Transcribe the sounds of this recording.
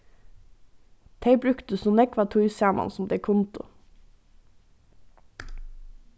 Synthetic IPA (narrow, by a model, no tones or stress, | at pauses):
t̪ʰeɪbɾʉkt̪əsʊnɛkʋɑːt̪ʰuʏsæːmʔɑ̰nsm̩d̪eːkʰʊnt̪ʊ̰